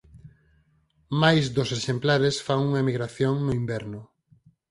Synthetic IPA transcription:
majzd̪ʊseʃemplaɾesfaŋuŋɐemiɣɾaθjoŋnʊimbɛɾnʊ

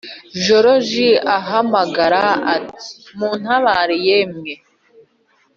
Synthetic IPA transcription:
ʒoɾoʒiaɦamaɡaɾaati̥muːn̥haβaɾijemɲe

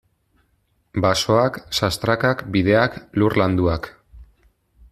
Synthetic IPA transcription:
baso̞aksast̪ɾakakbiðe̞aklurland̪uak

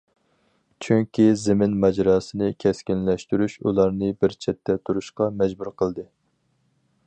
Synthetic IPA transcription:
t͡ʃʰyŋkʲizɪmɪnmɛd͡ʒɾɑːsɨnɨkʲʰɛskʲinlɛʃt̪yɾyʃulˠɑɾnɨbɪɾt͡ʃʰɛt̪ʰːɛt̪ʰuɾuʃqɑmɛd͡ʒbuɾqʰəlˠd̪ɨ

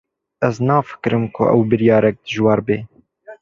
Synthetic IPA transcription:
ɛznɑːfə̥kɾɨmkʰʊ̰ʔɛ̰wbɨɾjɑːɾɛk̚d̪̥ɨʒwɑːɾbeː

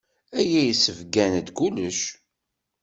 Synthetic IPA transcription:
æjæjəsəvɡænd̪kuləʃ

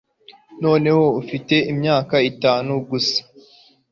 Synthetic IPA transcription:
no̞ːne̞ho̞ufite̞imɲaːkaitaːnuɡusḁ

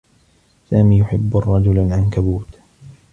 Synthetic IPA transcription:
saːmiːjʊħɪbːrˤːɑd͡ʒʊlʕankabuːt̪

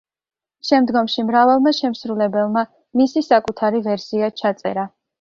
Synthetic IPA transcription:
ʃɛmd̪ɡɔmʃimɾavalˠmaʃɛmsɾulɛbɛlˠma | misisakʼut̪ʰaɾivɛɾsiat͡ʃʰat̪sʼɛ̰ɾa

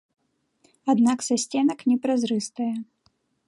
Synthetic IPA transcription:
ad̪naksasʲt͡sʲɛnɐknʲɛpɾazɾɨst̪ɐjɛ

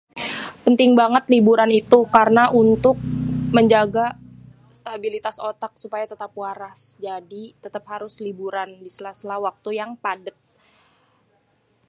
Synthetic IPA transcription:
pənt̪ɪŋbaŋət̪libuɾanit̪ukaɾənaʔunt̪ʊk̚məɲd͡ʒaɡa | st̪abilit̪asot̪ak̚supajat̪ət̪ap̚waɾas | d͡ʒadit̪ət̪ap̚haɾʊslibuɾandisəlaslawak̚t̪ujaŋpadət̪̚

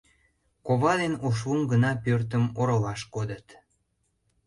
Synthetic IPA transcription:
koβɑd̪enoʃ̬umɡənɑpørt̪əmoɾəlɑʃkod̪ət̪

